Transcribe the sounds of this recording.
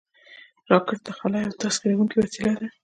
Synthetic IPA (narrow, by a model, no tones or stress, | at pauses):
ɾɑkaɾt̪axalɑjawt̪asɡeɾawuŋkiwasilad̪a